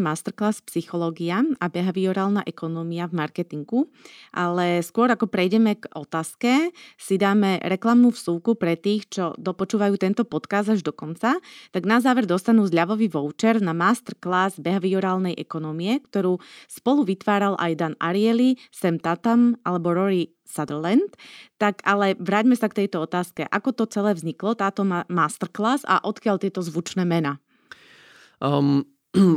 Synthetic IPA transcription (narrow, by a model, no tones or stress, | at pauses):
maːst̪ɛɾklaːspsixɔlɔːɡiaabɛɦaʋiɔɾaːlnaʔɛkɔnɔmiavmaɾkɛt̪iŋɡuʔalɛskʊɔɾakɔpɾɛjɟɛmɛɡɔt̪aːskɛsid̪aːmɛɾɛklamnuːfsuːkupɾɛt̪iːxt͡ʃɔd̪ɔpɔt͡ʃuːʋajuːt̪ɛnt̪ɔpɔt̪kaːzd̪aʒd̪ɔkɔnt͡sat̪aɡnazaːʋɛɾd̪ɔst̪anuːzʎaʋɔʋiʋɔʊt͡ʃɛɾnamast̪ɛɾklaːzbɛɦaʋiɔɾaːlnɛjʔɛkɔnɔmiɛkt̪ɔɾuːspɔluʋit̪ʋaːɾalʔa̰jd̪ana̰ɾiɛlisɛmt̪at̪amʔalɛbɔɾɔɾi | sad̪lɛnt̪ːakalɛʋɾaːɟmɛsakt̪ɛjt̪ɔɔt̪aːskɛʔakɔt̪ɔt͡sɛlɛːvzɲiklɔt̪aːt̪ɔamaːst̪ɛɾklaːza̰ʔɔt̪kɪaʎt̪ɪɛt̪ɔzʋut͡ʃnɛːmɛna